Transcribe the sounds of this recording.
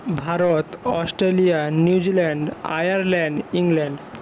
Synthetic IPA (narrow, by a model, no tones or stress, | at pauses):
bʱaɾot̪ɔsʈɾelijaniwd͡ʑilɛɳɖa̰jaɾlɛɳɖiŋlɛɳɖ